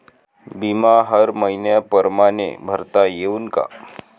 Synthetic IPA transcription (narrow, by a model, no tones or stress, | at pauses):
bimaɦəɾməinjəpəɾmanḛbʱəɾt̪ajeunka̰